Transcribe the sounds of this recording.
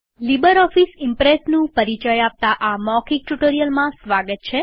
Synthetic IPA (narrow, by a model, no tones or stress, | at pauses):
libəɾɔfisɪmpɾesnũpəɾit͡ʃəjap̚t̪aʔamɔkik̚ʈuʈoɾijəlmãsʋaɡət̪̚t͡ʃʰe